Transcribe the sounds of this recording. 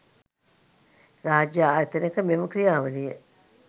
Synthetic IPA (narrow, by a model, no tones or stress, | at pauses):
raːd͡ʒjaaːjɐt̪ənekəmeməkɾijaːʋənijə̰